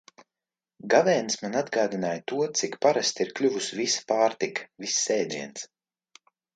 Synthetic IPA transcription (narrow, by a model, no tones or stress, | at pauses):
ɡavɛːnsmanad̪ɡaːd̪inaːjt̪uɔt̪sikpaɾast̪iɾklʲuvusvispaːɾt̪ikvisːɛːd̪iɛns